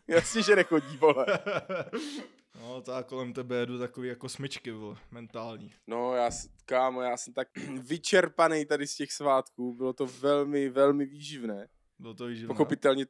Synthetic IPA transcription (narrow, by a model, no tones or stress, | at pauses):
jasɲɛʒɛnɛxoɟiːvolɛ | not̪akolɛmt̪ɛbɛjɛdut̪akoviːjakosmɪt͡ʃkɪvmɛnt̪aːlɲiːnojaːskaːmjaːsɛmt̪ak̚vɪt͡ʃɛɾpanɛjt̪adɪscɛxsvaːt̪kuːbɪlot̪o̞vɛlmɪvɛlmɪviːʒɪvnɛː | bɪlot̪oviːʒɪpoxopɪt̪ɛlɲɛ